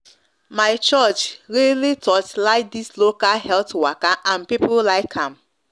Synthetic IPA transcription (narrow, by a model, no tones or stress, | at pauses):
maɪt͡ʃɔt͡ʃɹilitʰɔtlaɪk̚dislokalɦɛltwakaʔãnpipolaɪkʰãm